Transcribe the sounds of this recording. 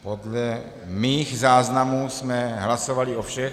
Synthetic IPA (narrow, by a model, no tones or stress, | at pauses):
po̞dlɛ | miːxzaːznamusmɛɦlaso̞valiʔofʃɛx